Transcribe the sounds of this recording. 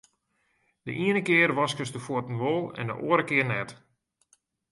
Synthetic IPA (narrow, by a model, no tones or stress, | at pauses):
d̥əʔiənəkɪːərʋɔskəsdəfoətn̩ʋolˠɛ̰ndə̰ʔoəɾəkɪərnɛt